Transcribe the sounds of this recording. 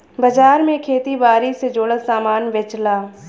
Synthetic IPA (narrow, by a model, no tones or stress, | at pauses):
bəd͡ʒaːɾmẽkʰeːt̪ibaːɾised͡ʒoːɽəsaːmaːnʋɪt͡ʃlaː